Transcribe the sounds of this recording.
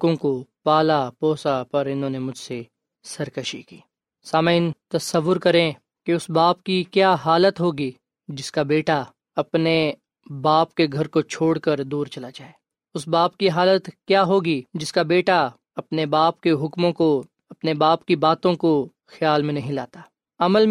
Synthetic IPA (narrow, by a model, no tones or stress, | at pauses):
kõkopaːlapɔːsapɐɾɪnɦõːnemʊd͡ʒʱse | sɐɾkɐʃikiː | saːmaɪnt̪ɐsəʋːʊɾkɐɾẽ | keʊsbaːp̚kikjaːɦaːlət̪ɦoːɡi | d͡ʒɪskabeːʈa | ɐpne | baːpkeɡʱɐɾkot͡ʃʰoːɽkəɾd̪uːɾt͡ʃɐlad͡ʒaːeː | ʊsbaːpkiɦaːlət̪kjaːɦoːɡid͡ʒɪskabeːʈa | ɐpnebaːp̚keɦʊkmõko | ɐpnebaːpkibaːt̪õko | xjaːlmẽnɐɦĩla̰ːt̪aː | ɐməl